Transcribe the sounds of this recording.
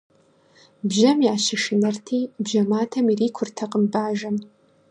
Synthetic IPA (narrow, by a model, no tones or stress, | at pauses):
bʒɐmjaːʃɪʃɪnɐrtʰiːbʒɐmaːtʰɐmiriːkʷʰʊrtʰɐqəmbaːʒɐn